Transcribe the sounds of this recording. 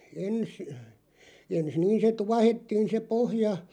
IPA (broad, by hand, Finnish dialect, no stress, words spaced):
ens ens niːn se tuɑhetːiːn se pohjɑ